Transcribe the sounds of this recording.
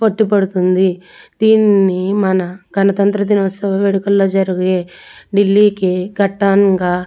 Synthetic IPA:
pɐʈːipɐɽut̪und̪i | d̪̥iːnːimɐnɐɡʱɐnɐt̪ɐnt̪ɾɐd̪inɐsɐʋɐʋeɽukɐlːoːd͡ʒɐɾuɡeːɖilːiːkiɡɐʈːaːnɡaː

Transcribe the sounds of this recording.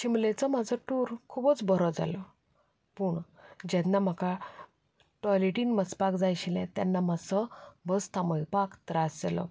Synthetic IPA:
ɕimlẽt͡sɔmad͡zʱɔʈuɾkʰubət͡sbəɾɔd͡za̰lɔ | puːɳ | d͡ʑɛnːam̤əka | ʈɔjleʈinmət͡spakd͡zajɕilɛ̃t̪janːamasɔbəst̪ʰaməjpakt̪ɾasd͡zelɔ̰

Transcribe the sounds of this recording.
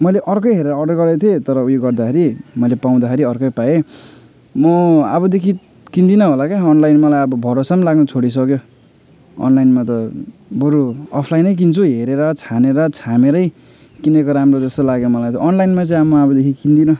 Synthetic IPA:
mʌjleʔʌrkʌjɦeɾeɾʌːɖʌrɡʌɾet̪ʰiet̪ʌɾʌujoɡʌrd̪akʰeɾimʌjlepaw̃d̪akʰeɾiʌrkʌjpae | mʌabʌd̪ekʰi | kind̪inʌɦolakeʌnlajnmʌlajʌbʌbʱʌɾosamlaɡnʌt͡sʰoɽis̬ʌkjo | ʌ̰nlajnmat̪ʌbʌɾuʌpʰlajnʌjk̬int͡sʰuɦeɾeɾʌt͡sʰaneɾʌt͡sʰameɾʌj | kinʌkoɾamrod͡zʌst̪olaɡjomʌlajt̪ʌʌnlajnmat͡sʌj̃amʌʌbʌd̪ekʰikind̪inʌ

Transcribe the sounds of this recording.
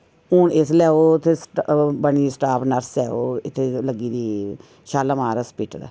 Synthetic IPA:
uːnɪslɛːoːt̪ʰːeːsʈbəɳ̃iːsʈaːpnəɾslɛ̰ːoːɪt̪ʰːeːləɡiːd̪iː | ʃaːlaːmaːɾəspiːʈd̪a̰ː

